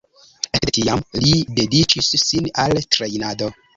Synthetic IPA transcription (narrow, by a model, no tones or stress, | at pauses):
etiamlide̞dit͡ʃisːinaltɾejnado̞